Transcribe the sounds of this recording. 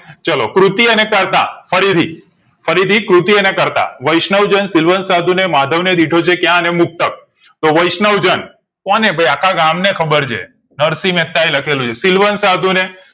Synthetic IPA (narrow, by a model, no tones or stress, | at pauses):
t͡ʃəlo̰kɾut̪iənekəɾt̪a̰fəɾit̪ʰi | fəɾit̪ʰikɾut̪iənekəɾt̪a̰ʋəjʃnəʋd͡ʒənsɪlʋənsad̪ʱunemad̪ʱəʋned̪iʈʰot͡ʃʰekjãnemʊk̚t̪ək̚ | t̪oʋəjʃnəʋd͡ʒən | kɔnebʱəjakʰaɡamnekʰəbəɾt͡ʃʰḛ | nəɾsimet̪ːajləkʰelũt͡ʃʰesɪlʋənsad̪ʱune